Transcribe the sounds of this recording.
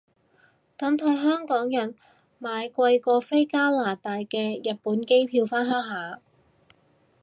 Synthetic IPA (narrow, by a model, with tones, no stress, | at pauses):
t̪ɐ˨˥nt̪ʰɐ˨˧jɦœː˥ŋkɔː˨˥ŋjɐ˨˩n | maː˨˧jkʷɐ˧jkɔː˧fe˥jkaː˥laː˨˩t̪aː˨˧jkɛː˧jɐ˨t̚puː˨˥nke˥jpʰiː˧wfaː˥nɦœː˥ŋɦaː˨˩